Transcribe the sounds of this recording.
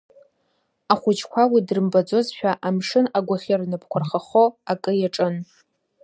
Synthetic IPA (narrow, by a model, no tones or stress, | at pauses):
aχʷʊt͡ʃkʷʰawidrɨmbad͡zo̞zʃᶣaʔamʂɨnaɡʷaχʲarnɨpʰkʷʰarχaχoakʼɨjaʈ͡ʂʼɨn